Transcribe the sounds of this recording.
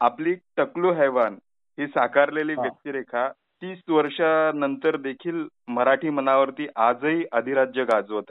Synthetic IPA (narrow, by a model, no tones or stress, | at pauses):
apliːʈəkluːɦɛʋan | ɦisakaɾleliːʋjək̚t̪iːɾekʰa | t̪iːsʋəɾʂanənt̪əɾd̪ekʰiːlməɾaʈʰiːmənaʋəɾt̪iːʔad͡zəɦiʔəd̪ʱiɾad͡ʑjəɡad͡zʋot̪ḁ